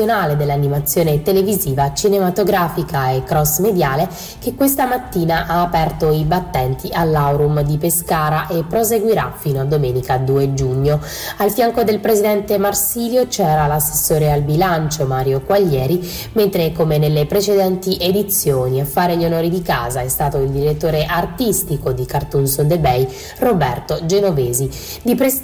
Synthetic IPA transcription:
onaːled̪elːanːimat̪sːjoːnet̪eleviziːvat͡ʃinemat̪oɡɾaːfikʰaekːɾɔsmed̪jaːle | kekːwest̪amat̪ːiːnaʔaːpɛrt̪oibat̪ːɛnt̪iʔalːawɾumd̪ipeskaːɾaʔepːɾozeɡwiɾa̰fiːnoad̪ːomɛːnikad̪uːed͡ʒuɲːo | alfjaŋkod̪elpɾezid̪ɛnt̪emarsiːljot͡ʃɛːɾalasːe̥sːoːɾealbilant͡ʃomaːɾjokwaʎːɛːɾi | ment̪ɾekomenelːepɾet͡ʃed̪ɛnt̪iʔed̪it̪sːjoːniafːaːɾeʎːonoːɾid̪ikaːzaɛst̪aːt̪oild̪iɾet̪ːoːɾeʔart̪ist̪ikod̪ikart̪unsod̪ebɛj | robɛrt̪od͡ʒenoveːzi | d̪ipɾe

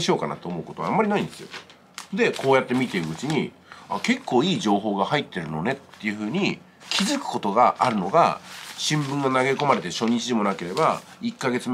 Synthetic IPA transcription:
ɕio̞ːkana̰t̪ːeomo̞ɯko̞t̪oamːaɾʲinaĩnd̪e̞sɨjo | d̪e̞kʰo̞ːjat̪ːe̞mʲit̪e̞ɾɯɯt͡ɕiɲ̟ḭ | a̰ke̞kʰːo̞ːiːd͡ʑo̞ːɦo̞ːɡahait̪ːe̞ɾɯ̟no̞ne̞t̪ːe̞jɯ̟ɸɯ̟ːɲ̟i | kʲʰizɨkɯ̟̥ko̞t̪o̞ɡaʔaɾɯ̟no̞ɡa̰ɕĩmbɯ̟̃ŋɡanaɡe̞ko̞maɾe̞t̪eɕo̞ɲ̟it͡ɕiʑimo̞nake̞ɾe̞baikːaɡe̞t͡sɨm

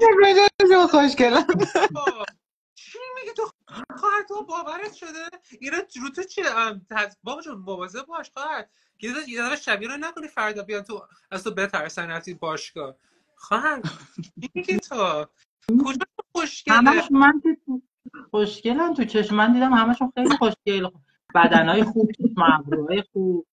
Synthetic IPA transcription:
ebɾed͡ʒæeʃioχoʃcelæ | t͡ʃʰimiɡʲit̪ʰo | æxɑːhæd̪t̪ʰobɒːvæɾet̪ʃod̪einɔɾut̪ʰot͡ʃʰit̪ʰæzbɒːbd͡ʒomovɒzeb̚bɒʃxɒːhæd̪̥̚ | jejed̪æfæʃæbiɾonækʰonifæɾd̪ɒːbejɑnt̪ʰo | æzt̪ʰobet̪ʰæɾsænæft̪ibɒːʃkɒː | xɒːɦæd̪ieit̪ʰo | kʰod͡ʒɑʃuxoʃcemæʃmænt̪it̪u | χoʃce̞lænt̪ʰut͡ʃʰe̞ʃmænd̪iːd̪æmhæmæʃunxejlixoʃcel | b̥æd̪ænɒːjexuːb̥̚t͡ʃʰeʃmvɾuɒːjexuːb̥

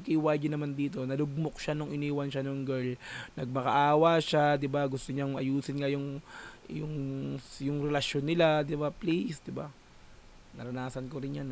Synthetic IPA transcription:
kɪwajd͡ʒɐnɐmand̪iːt̪o̞nɐlʊɡ̚mok̚ʃanʊŋɪniːwɐnʃanoŋɡɛɹlnɐɡ̚mɐkɐʔaːwɐʃad̪ɪbaɡʊst̪oɲaŋʔɐ̰juːsɪnŋɐjʊŋjʊŋjʊŋɾɛlɐʃjo̞nːɪlad̪ɪbaplisd̪ɪba | nɐɾɐnaːsɐnkoɾɪnjan

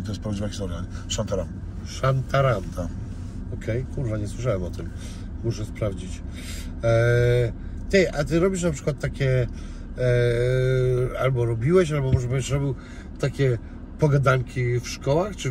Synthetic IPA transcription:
t̪ɔjɛst̪pɾavd͡ʑivakʲisɔɾɡanʂant̪aɾam | ʂant̪aɾamt̪a | ɔkʰɛjkuɾvaɲɛswɘʂawɛmɔt̪ɘm | muʂɛspɾavd͡ʑit͡ɕ | t̪ɛjʔat̪ɘɾɔbʲiʂ̬napʂɘ̥kwat̪ːakʲɛ | albɔɾɔbʲiwɛɕalbɔmɔʐɛbɛʂɾɔbʲiw | t̪akʲɛ | pɔɡad̪aŋkʲifʂkɔwaxt͡ʂɨ

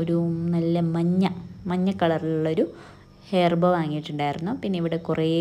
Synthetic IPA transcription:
oɾunɐlːɐmɐɲːɐmɐɲːɐkːɐɭɐriluɭːɐo̞ɾu | he̞ːrbɐʋaːŋːijiʈːuɳɖaːjiɾunːupinːeiʋiɽe̞kureː

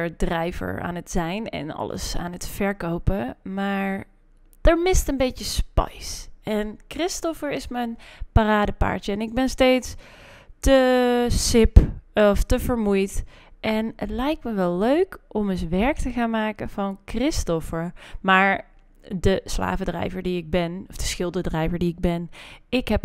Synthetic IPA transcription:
əɹdrɛjvə̰ɹa̰ːnətsɛjnɛ̰nɔ̰lə̰sa̰ːnətfɛɹkowpəmaːɹ | d̥əɹmɪstənbejtjəspɑ̰jsɛnkrɪstɔfəɹɪsmənparaːdəpa̰ɹtjəɛnɪɡ̚bɛnsteːts | təsɪpɔftəvəɹmujt | ʔɛnətlɛjk̚tməʋɛlˠːøɥkʔɔməsʋɛɹk̚təɣaːnmaːkənv̥ɑnkrɪstɔfəɹmaːɹ | dəsla̰ːvədrɛ̰jvəɹdiɪɡ̚bɛnɔfd̥əsxɪlˠdədrɛjvəɹdiɪɡ̚bɛnɪkɦɛp

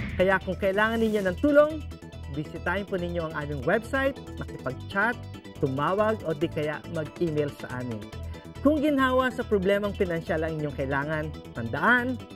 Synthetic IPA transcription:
kɐjakʊŋkɐʔɪlaːŋɐnːɪɲjo̞nɐŋt̪uːlo̞ŋ | bɪsɪt̪aːʔɪnponɪɲːo̞ʔɐŋʔaːmɪŋwɛbsajt̪̚mɐkɪpɐɡ̚t͡ʃat̪ː | ʊmaːwɐɡʔo̞d̪ikɐjaʔmɐɡ̚ʔiːmɛjlsɐ̰ʔa̰ːmɪ̰n | kʊŋɡɪnɦaːwɐsɐpɾoblɛmɐŋpɪnɐnʃalɐŋʔɪɲo̞ŋkɐʔɪlaːŋɐnpɐnd̪ɐʔan

